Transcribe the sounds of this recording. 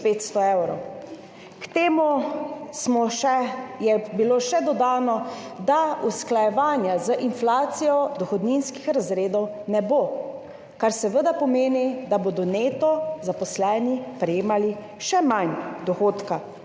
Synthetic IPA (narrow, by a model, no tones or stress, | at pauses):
peːt̪st̪ɔewɾɔw | kt̪eːmusmɔɛjɛbiloːʃɛd̪ɔd̪aːnɔ | d̪ausklajɛʋaːnjazəʔinflaːt̪sijɔd̪ɔxɔd̪ninskixɾazɾeːd̪ɔw | nɛbo | kaɾsɛʋəd̪apɔmeːnid̪aboːd̪ɔneːt̪ɔzapɔslɛːnipɾɛjeːmali | ʃɛmand̪ɔxoːt̪ka